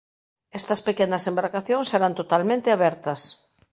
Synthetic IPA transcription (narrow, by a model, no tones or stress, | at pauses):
ɛst̪ɐspekenɐsembaɾkaθjõŋseɾant̪ot̪almẽnt̪eaβɛɾt̪ɐs